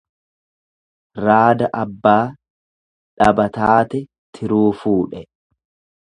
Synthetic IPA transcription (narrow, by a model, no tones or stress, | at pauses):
ɾaːd̪ɐʔɐbːaː | ᶑɐbɐt̪aːt̪ɛ | t̪ʰɪɾuːfuːᶑɛ